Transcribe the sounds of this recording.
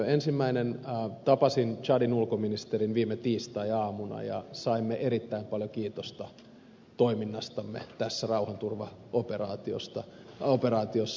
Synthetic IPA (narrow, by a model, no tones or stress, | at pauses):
ensimːæinenːt̪ɑpɑsint͡ʃɑdinulkominist̪erinʋiːmːet̪iːst̪ɑiɑːmunɑ̰jɑ̰sɑimːeʔeɾit̪ːæimpɑljokiːt̪ost̪ɑ | t̪oiminːɑst̪ɑmːḛt̪æsːærɑuhɑnt̪urʋɑoperɑ̰ːt̪io̰st̪ɑ | operɑːt̪iosː